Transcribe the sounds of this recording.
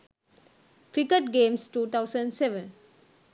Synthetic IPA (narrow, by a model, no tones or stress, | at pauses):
kɾikəʈ̚ɡẽːmsʈuːt̪ʰaʊsə̃ɖseʋə̃n